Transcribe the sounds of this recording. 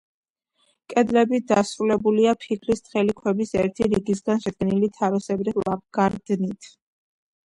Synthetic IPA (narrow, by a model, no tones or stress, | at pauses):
kʼɛd̪lɛbid̪asɾulɛbuliapʰikʰlist̪χɛlikʰwɛbisɛɾt̪ʰiɾiɡis̬ɡanʃɛd̪̚ɡɛnilit̪ʰaɾɔsɛbɾilap̚ɡ̥aɾd̪nit̪ʰ